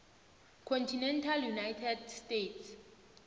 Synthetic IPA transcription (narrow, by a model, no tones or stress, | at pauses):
kʰɔntʰinɛntʰaljunajtʰɛdstetʰs